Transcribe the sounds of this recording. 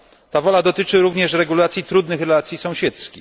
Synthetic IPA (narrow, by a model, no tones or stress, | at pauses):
t̪avɔlad̪ɔt̪ɘt͡ʂɘɾuvɲɛʂɾɛɡulat̪sʲjit̪ɾud̪nɘxɾɛlat̪sʲjisɔ̃w̃ɕɛt̪skʲi